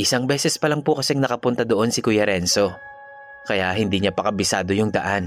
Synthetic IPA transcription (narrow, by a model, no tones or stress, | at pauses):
ʔɪsaŋbɛːsɛspɐlɐŋpʊkɐsɛŋnɐkɐpʊnt̪ad̪oʔo̞nsɪkʊjɐɾɛnso̞ | kɐjaɦɪnd̪iːɲapɐkɐbɪsa̰ːd̪o̞jʊŋd̪ɐʔan